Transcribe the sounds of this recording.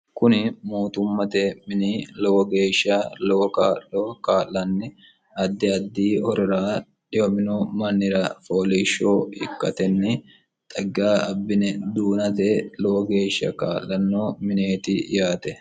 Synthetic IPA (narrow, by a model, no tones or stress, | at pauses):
kʊnɪmuːt̪ʊmːɐt̪ɛmɪniːlɔwɔɡe̞ːʃːaːlɔwɔkaːlokaːlːɐnːɪ | ɐd̪ːɪɐd̪ːiːhɔɾɔɾaː | ᶑɪwɔmɪnɔmɐnːɪɾɐfoːliːʃːoːhɪ̰kːɐt̪ɛnːɪ | t̪ʼɐɡaːɐbːɪnɛd̪uːnɐt̪ɛlɔwɔɡe̞ːʃːɐ̰ka̰ːlːɐnːoːmɪne̞ːt̪ɪjaːt̪ɛ